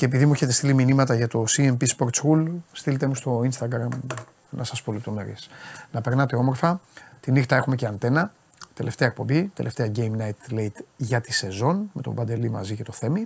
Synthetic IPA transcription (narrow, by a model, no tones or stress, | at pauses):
ce̞ːpiðimueçe̞t̪e̞st̪iliminimɐt̪ɐʝɐt̪o̞siempispo̞ɾt̪sulst̪ilet̪e̞must̪o̞inst̪ɐɡɾɐm | nʔɐ̰sɐspo̞lep̚t̪o̞me̞ɾisnɐpe̞ɾnɐt̪e̞o̞mo̞ɾfɐt̪inixt̪ɐe̞xume̞ceɐnt̪e̞nɐ | t̪e̞lʔe̞ft̪eɐek̚po̞mbit̪ele̞ft̪e̞ɐɟe̞jmnɐjt̪lejt̪ʝɐt̪ise̞zo̞nme̞t̪o̞̰bɐnd̪e̞limɐ̰zicet̪o̞θe̞mi